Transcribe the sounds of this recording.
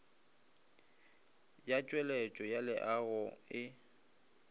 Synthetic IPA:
jat͡ʃʼwɛlɛt͡ʃʼɔjalɪʔaɣʊɪ

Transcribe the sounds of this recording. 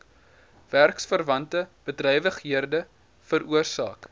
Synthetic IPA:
værksfərvɐntəb̥ədrɛjvəχɦiərdə | fəɾuərsɑ̰ːk

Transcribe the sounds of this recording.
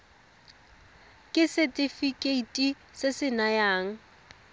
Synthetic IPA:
kʼɪsɪtʼɪfikʼeitʼi | sɪsɪnajaːŋ̩

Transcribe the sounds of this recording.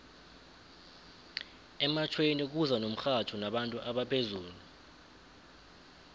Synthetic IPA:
ɛmat͡ʃʰwenik̬uzanom̩xatʰunaɓantʼuʔaɓapʰezuːlu

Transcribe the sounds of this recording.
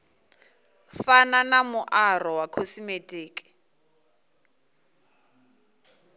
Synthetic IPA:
fananamʊʔarɔwakʰɔsimetʼeːkʼi̥

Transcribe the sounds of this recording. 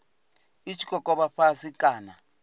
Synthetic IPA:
it͡ʃʰi̥kʼɔkʼɔɓaɸasikʼaːna

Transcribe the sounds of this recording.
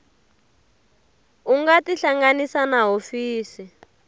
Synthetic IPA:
uŋɡatiɬaŋɡanisanaɦofiːsi

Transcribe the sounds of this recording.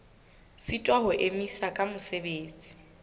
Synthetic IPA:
sitʼwaɦʊʔemisakʼamʊsebeːt͡sʼi̥

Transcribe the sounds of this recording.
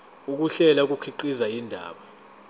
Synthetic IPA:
uk̬uɬɛlak̬ukʰiǃizajindʱa̰ːɓa

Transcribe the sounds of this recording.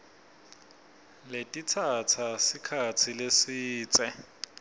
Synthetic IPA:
letʼit͡sʰat͡sʰasikʰat͡sʰilesiːt͡sʼɛ

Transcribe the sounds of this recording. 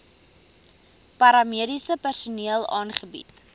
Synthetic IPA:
pɐɾɐmiəɾisəpærsuniəlˠɑːnχəbḭt

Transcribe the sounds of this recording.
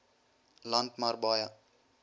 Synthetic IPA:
lant̪maɾbaːja

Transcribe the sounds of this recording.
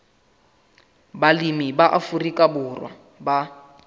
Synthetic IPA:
balimibaʔafurikʼabʊrwa̰ | ba

